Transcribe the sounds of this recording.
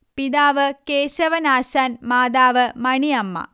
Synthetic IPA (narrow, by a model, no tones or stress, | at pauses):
pid̪aːʋɐkeːʃɐʋɐnaːʃaːnmaːd̪aːʋɐmɐɳijɐmːɐ̰